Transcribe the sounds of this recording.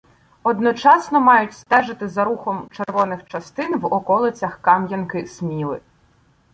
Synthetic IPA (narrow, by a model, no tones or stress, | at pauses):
ɔd̪nɔt͡ʃɑsnɔmɑjʊtʲst̪ɛʒɪt̪ɪzɐɾuxɔmt͡ʃerʋɔnɪxt͡ʃɐst̪ɪnʋɔkɔlˠɪt͡sʲɐxkɑmjɐnkɪsmʲilˠɪ̰